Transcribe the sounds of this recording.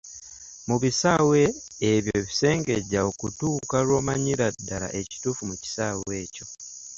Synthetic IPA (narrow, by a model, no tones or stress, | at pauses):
muβisawe̞ː | βjo̞βise̞ːŋɡe̞ɟaokutuːkalwo̞ːmaɲiɾadːaɾa̰ʔe̞ci̥tuːfumuci̥saːwe̞ːco̞